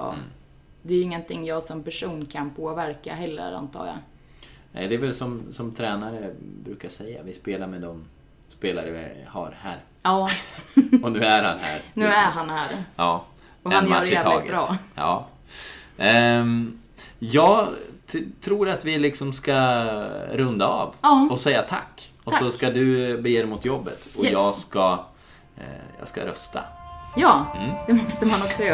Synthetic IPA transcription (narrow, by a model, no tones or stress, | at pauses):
ɑ̰ː | d̪ɛɪŋːənt̪ʰɪŋːjɑːɡsɔmpæʂuːnkʰanpʰoːvæɾka̰ɦɛlːə̰ɾa̰nt̪ʰɑ̰ːja̰ | nɛ̰ɪd̪ɛːvɛlsɔmsɔmt̪ʰɾɛːnaɾəbɾʉ̟ːkaʂɛjːa̰vɪspeːlaɾmɛd̪ɔm | speːlaɾəɪ̰ha̰ɾhæːɾ | ɑː | ɔnʉ̟ːæɾha̰nɦæ̰ːɾnʉːæɾɦanhæːɾjɑː | ɔanmaɾɪɛt̪ʰɑ̰ːɡəɾɑːjɑ̰ː | jɑːɡ | t̪ʰɾuːɾat̪vɪlɪksɔmska | ɾɵnd̪aɑ̰vɑɔsɛjːat̪ʰa̰kːɔsɔskad̪ɵbɛjeːd̪ɛmʊt̪ʰjɔbːə̰t̪ɔjɑːɡska | jɑ̰ːɡska̰ɾœ̰st̪ʰa̰jɑːd̪̥ɛmɔst̪əmanɔksɔjœː